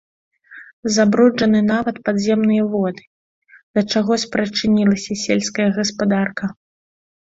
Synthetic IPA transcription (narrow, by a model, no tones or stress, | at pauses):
zabɾɔd͡ʐɐnɨnavɐt̪pad̪zʲɛmnɨjɐvɔd̪ɨ̥ | d̪ɐt͡ʂaɣɔsʲpɾɐt͡ʂɨnʲilˠɐsʲɐsʲelʲskɐjɐɣɐspad̪arkɐ